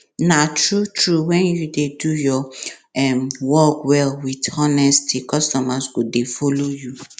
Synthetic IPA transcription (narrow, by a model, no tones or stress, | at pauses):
natɹutɹuwɛ̃njudedujɔɛmwɔkwɛlwidɔnɛstʰikɔstɔmasɡodefoloju